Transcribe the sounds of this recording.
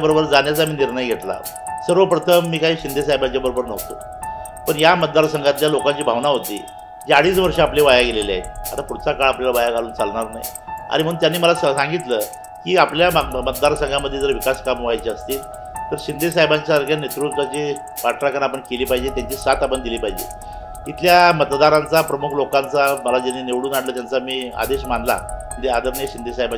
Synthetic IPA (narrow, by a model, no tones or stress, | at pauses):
bəɾobəɾd͡zaɳjat͡samiːniɾɳəjɡʱeʈla̰ | səɾʋəpɾət̪ʰəmːiːkaiːɕind̪ʱesajbaɲt͡ɕabəɾobəɾnəɦt̪o̰ | pəɳjamət̪̚d̪aɾsəŋɡat̪ljalokaɲt͡ɕiːbʱaʋnaɦot̪ḭː | d͡ʑeaɽiːsʋəɾʂəapleʋajaɡelelia̰a̰t̪apuɽt͡sakaɭapljalaʋajaɡʱaluːnt͡salnaɾna̰j | a̰ɽ̃im̤əɽuːnt̪janːiːməlasãŋɡit̪lə | kiːapljamət̪d̪aɾsəŋɡaməd̪ʱːjed͡zəɾʋikaskamʋajt͡ɕiəst̪il | t̪əɾɕind̪esajbaɲt͡ɕaɾkanet̪ɾust̪at͡ɕi | ʋaʈɾakanapəɳkeliːpaɦid͡ʑet̪jaɲt͡ɕiːsat̪apəɳd̪iliːpaɦid͡ʑḛ | it̪ljamət̪d̪aɾant͡sapɾəmukʰlokant͡saməlad͡ʑanːineʋɽuːnaɽlət̪jant͡samiːa̰d̪eɕmand̪la̰əɳd͡ʑ̪ead̪əɾneɕind̪esajba